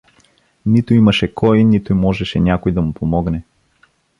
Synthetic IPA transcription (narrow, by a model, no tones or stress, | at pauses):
nit̪ʊimɐʃɛkʰɔjinit̪ʊimɔʒɛʃɛnʲakojd̪ɐmupomɔɡnɛ